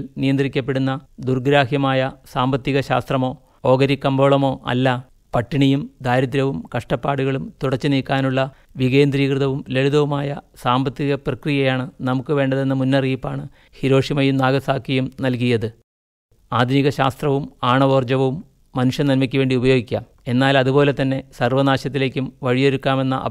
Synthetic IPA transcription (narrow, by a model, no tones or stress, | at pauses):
lnijɐnd̪rikʲːɐpːe̞ɽunːɐd̪urɡɾaːhjɐmaːjɐsaːmbɐt̪ːiɣɐɕa̰ːst̪rɐmo̞ː | o̞ːɡɐɾikːɐmboːɭɐmo̞ːʔɐ̰lːɐ | pɐʈːiɳijumd̪aːjɾɐt̪ɾɐʋumkɐʂʈɐpːaːɽuɣɐɭumt̪uɽɐt͡ɕːɨniːkːaːnuɭːɐ | ʋiɣeːnd̪riːkrɨðɐʋumle̞ɭuðɐʋumaːjɐsaːmbɐt̪ːiɣɐprɐkrijɐjaːɳɨnɐmukːɨʋe̞ːɳɖɐðe̞nːɐmunːɐriːpːaːɳɨ | hiɾo̞ːʂimɐjumnaːɣɐsaːkːijumnɐlk̬ijɐðɨ | aːd̪ʱniɣɐɕa̰ːst̪rɐʋumaːɳɐʋo̞ːrd͡ʑɐʋɐʋumː | ɐnuʂjɐnɐnmikʲːɐʋe̞ːɳɖiubɐjoːɡikʲːɐ | e̞nːaːlɐðubo̞ːle̞t̪ːɐnːe̞sɐrʋɐnaːɕɐt̪ːile̞ːkʲːumʋɐɻijo̞ɾukːaːme̞nːɐ̰ʔɐ̰